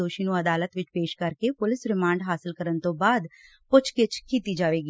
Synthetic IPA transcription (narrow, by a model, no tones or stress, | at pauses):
oːʃiːnũːəd̪aːlət̪ʋɪt͡ʃpeːʃkəɾkeːpʊlɪsɾɪmãːɳɖɦaːsɪlkəɾənt̪õːbaːd̪ | pʊt͡ʃʰkɪt͡ʃkiːt̪iːd͡ʒaːʋeːɡiː